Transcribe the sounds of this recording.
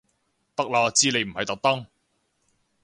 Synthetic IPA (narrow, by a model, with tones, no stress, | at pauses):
t̪ɐ˥k̚laː˧t͡siː˥ne˨˧jm̩˨˩hɐ˨˧jt̪ɐ˨k̚t̪ɐ˥ŋ